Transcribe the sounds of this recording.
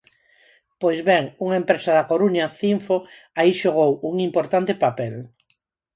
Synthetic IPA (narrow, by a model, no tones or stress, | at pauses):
pojzβɛŋuŋaempɾesaðakoɾuɲaθiɱfo | aiʃoɣ̞owuŋimpoɾt̪ant̪epapɛl